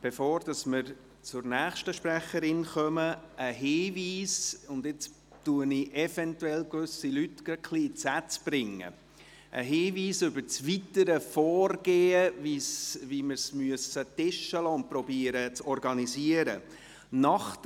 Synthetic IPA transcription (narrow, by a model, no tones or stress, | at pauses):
b̥efoːɾd̥ɑsmɪɾ | t͡sʊɾnæːχʃtəʃpɾæχəɾɪnχœməəɦeːviːsʊnd̪ɪt͡s | tuənɪʔɛfɛntuɛlkvʉsilytɡ̥əkʰliːt͡sæt͡sb̥ɾɪŋə̰ | ʔə̰ɦeːviːsʏbəɾt͡sʋitəɾəfɔːrɡ̥eːəvisʋimɪɾsmyəsətɪʃəlɔːʊnt̚pɾɔbiəɾət͡sɔɾɡɑniziəɾə | nɑχt